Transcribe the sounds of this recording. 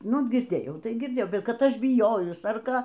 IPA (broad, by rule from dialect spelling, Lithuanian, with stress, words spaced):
ˈnʊ ɡʲɪrʲˈdʲeːjɛʊ tɐɪ ɡʲɪrʲˈdʲeːjɛʊ ˈkɐt ˈɐʃ bʲɪˈjoːjʊs ɐr ˈkɑː